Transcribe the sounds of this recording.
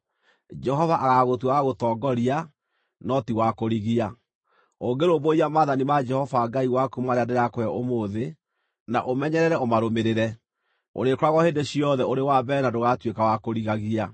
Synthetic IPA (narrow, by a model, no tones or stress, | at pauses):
d͡ʒɛɦɔvaʔaɣaɣotwawaɣotɔːɡɔɾia | nɔtiwakoɾiɣia | oŋɡeɾoboiamaðanimad͡ʒɛhɔvaɡaiwakumaɾeandeɾakoɛʔomoðe | naʔomɛɲɛɾɛɾɛomaɾomeɾeɾɛ | o̰ɾekoɾaɣɔheːndeɕiɔðɛoɾewabɛnadoɣatwekawakoɾiɣaɣia